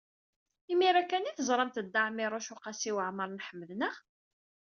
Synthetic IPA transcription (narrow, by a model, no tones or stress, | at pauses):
imiɾækːæniθəzˤɾˤɑmt̪əd̪ːaʕmiɾˤʊʃʊqɑsiwəʕməɾˤnħəmːəðnəʁ